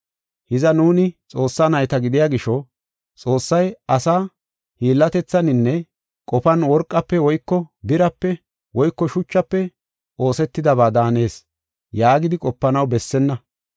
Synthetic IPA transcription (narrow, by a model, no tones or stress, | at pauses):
hɪzɐnuːnɪt͡sʼo̞ːsːanɐjt̪ɐɡɪd̪ɪjaːɡɪʃɔ | t͡sʼo̞ːsːɐjɐsaː | hiːlːɐt̪ɛt͡sːɐnɪnːɛ | kʼɔpɐnwɔɾkʼːɐpːɛwɔjkːɔbɪɾɐpːɛ | wɔjkːɔʃʊt͡ʃːɐpːɛ | o̞ːsɛt̪ːɪd̪ɐβaːd̪aːne̞ːs | jaːɡɪd̪ɪkʼɔpːɐnɐwbɛsːɛnːɐ